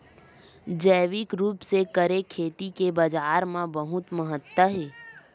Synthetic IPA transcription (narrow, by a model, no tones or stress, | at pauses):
d͡ʒəːʋɪkɾuːpsekəɾekʰːeːt̪ikebəd͡ʒaːɾmãbəɦʊt̪məɦət̪wəɦeː